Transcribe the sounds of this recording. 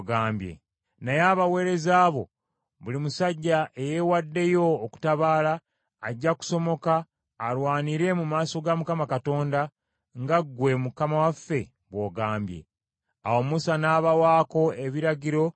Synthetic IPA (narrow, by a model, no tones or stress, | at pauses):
ɡaːmbje̞̰ | najaːβawe̞ɾe̞zaːβo̞ | βulimusaɟːaʔe̞jewadːe̞jo̞ːku̥taβaːlaː | ɟːaku̥so̞mo̞kaː | lwaːniɾe̞mumaːso̞ɡamukamakato̞ːnda | ŋɡaɡwe̞mukamawafːe̞ | βwo̞ɡaːmbje̞̰ | awo̞musanaːβawaːko̞e̞βiɾaɟiɾo̞